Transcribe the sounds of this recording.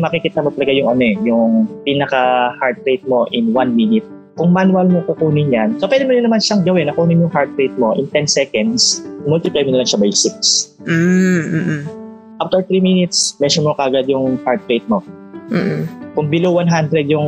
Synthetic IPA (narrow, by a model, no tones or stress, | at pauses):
mɐkɪkiːt̪ɐmot̪ɐlɐɡajʊŋɐnoɛjʊŋpinɐkɐhaɹd̪̚ɾejt̪̚mo̞ʔɪnwanminɪt̪̚ | kʊŋmanwɐlmokʊkuːnɪɲjansopwɛd̪ɪmʊnɐnɐmanʃaŋɡɐwɛnːɐkuːnɪɲjʊŋɦaɹd̪̚ɾejt̪̚mo̞ʔɪ̰nt̪ɛnsɛkɐnd̪smʊlt̪ɪpɾɛmɪnɐmɐnʃabajsɪks̩ | ʔaft̪ɛɹt̪ɾiːminɪt̪smɛʃɔmokɐʔɐɡad̪jʊŋhaɹd̪̚ɾejt̪̚mo̞ː | kʊŋbɪlowanɦand̪ɾɛd̪̚jʊŋ